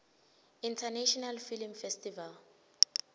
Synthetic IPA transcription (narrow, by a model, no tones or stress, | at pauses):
intʰanɛʃɔnalfilmfɛstʼival